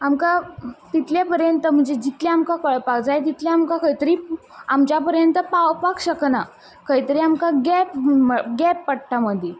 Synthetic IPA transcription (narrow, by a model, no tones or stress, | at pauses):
amkat̪it̪ljapəɾjənt̪əm̤əɳd͡zed͡ʑit̪ljaamkakəɭpakd͡zajt̪̬it̪ljaːmkakəit̪əɾiː | amt͡ɕjapəɾjənt̪əpawpakɕəkna | kəit̪əɾiːamkaɡɛpəɡɛpːəʈʈaməd̪ʱje